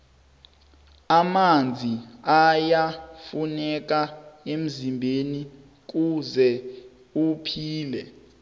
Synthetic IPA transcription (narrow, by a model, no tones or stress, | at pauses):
amand͡zʱiajafunɛk̬aem̩zimbʱeni | k̬uzɛ | upʰiːlɛ